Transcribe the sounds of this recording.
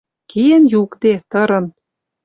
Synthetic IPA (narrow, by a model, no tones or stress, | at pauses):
kienjukd̪et̪ɤ̆ɾɤ̆n